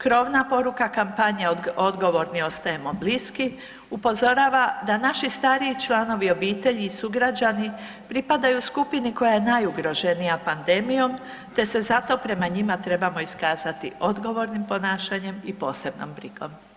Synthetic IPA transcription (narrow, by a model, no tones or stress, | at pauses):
kɾo̞ʋnapo̞ɾukakampaɲeo̞d̪ɡo̞ʋo̞ɾnio̞st̪aje̞mo̞bliski | upo̞zo̞ɾaːʋad̪anaʃist̪aːɾiːt͡ʃlˠaːno̞ʋio̞biːt̪e̞ʎiːsuɡɾad͡ʒani | pɾipad̪ajuskupiniko̞jajenajuɡɾo̞ʒe̞nijapand̪e̞mijo̞m | t̪e̞se̞zat̪o̞pɾe̞maɲimat̪ɾe̞bamo̞iskaːzat̪ḭʔo̞d̪ɡo̞ʋo̞ɾnimpo̞naːʃaɲe̞mipo̞ːse̞bno̞̰mbɾikʰo̞̰m